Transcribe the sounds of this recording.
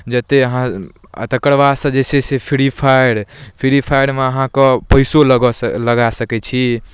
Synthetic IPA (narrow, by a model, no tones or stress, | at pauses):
d͡ʒət̪eəɦã | ə̰t̪əkəɽʋasə̃d͡ʒesesepʰiɾipʰajɽpʰiɾipʰajɽmeəɦãkəpəjsolɡləɡasəkɛt͡ʃʰi